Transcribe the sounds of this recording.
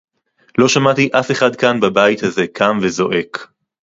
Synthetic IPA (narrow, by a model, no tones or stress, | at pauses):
loʃamat̪iʔafeχad̪kanbabajt̪haze̞kʰamvezo̞ʔe̞k